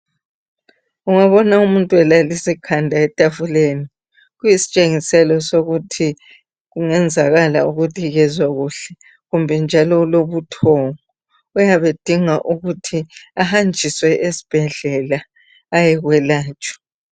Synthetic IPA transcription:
uŋaβɔnaumuntʼuɛlalisikʰandʱaɛtʼafuleni | ɣujisi̥t͡ʃʼeŋisɛlɔsoɣutʰi | ɣuŋɛnd͡zʱaɣala̰uɣutʰʼiɣɛzwaɣuɬɛ | ɣumbʱɛnd͡ʒʱalɔloβutʰɔŋɔː | jaβed̥ʱiŋaʔuɣutʰiahand͡ʒʱiswɛʔesi̥b̥ʱɛɮɛlaː | jɛɣwɛlaːt͡ʃʼɔ̥

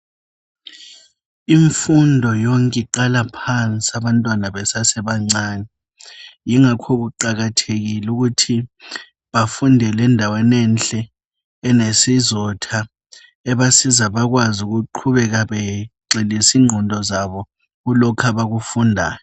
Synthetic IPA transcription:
iɱfundʱɔjoŋkʼɛǃalapʰant͡sʼiaβantʼwanaɓɛsasɛɓaŋ͡ǀaːnɛ | jiŋakʰok̬uǃaɣ̬atʰeɣ̬iluk̬utʰi | ɓafundʱɛlɛndʱawɛnɛnt͡ɬɛː | nesizɔtʰa | ɛɓasizaɓak̬wazuk̬uǃʰuβɛk̬aɓɛǀelisiːŋ͡ǀʱɔndʱɔzaβɔ | ulɔkʰaɓaɣ̬ufundʱa̰ːjɔ

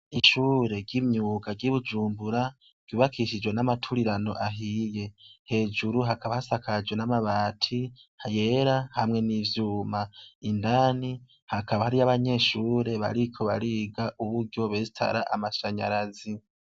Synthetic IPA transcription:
iʃuːɾe̞ɾɟimɲuːɡaɡɟiβud͡ʒuːmbuɾa | ɡ̥juːβakʰiʃid͡ʒwe̞namatʰuɾiɾano̞ʔaɦije̞he̞ːd͡ʒuɾuɦakaβahasakʰad͡ʒwe̞namaβaːtʰihaje̞ɾahamŋe̞nivjuːmaindani | hakaβahaɾiaβaɲe̞ːʃuːɾe̞βa̰ɾikʰo̞βa̰ɾiːɡaʔuβuɾɟo̞βe̞zitʰa̰ɾa̰ʔamaʃaɲa̰ɾazi

